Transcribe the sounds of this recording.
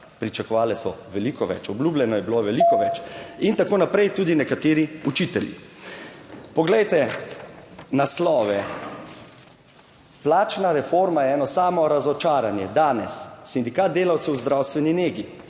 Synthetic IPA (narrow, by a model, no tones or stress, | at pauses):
pɾit͡ʃakɔʋaːlɛsɔʋɛlikɔʋɛ̰t͡ʃɔblʲuːblʲɛnɔjɛbiloʋɛlikɔʋɛt͡ʃint̪akoːnapɾɛjt̪uːd̪inɛkat̪eːɾiut͡ʃit̪ɛljḭ | pɔɡlɛjt̪ɛ | naslɔːʋɛ | plaːt͡ʃnaɾɛfoɾmajɛɛːnɔsaːmɔɾazɔt͡ʃaːɾanjɛd̪aːnɛ̰sːind̪ikaːd̪̚d̪eːlawt̪sɛwzd̪ɾawst̪ʋɛnineːɡi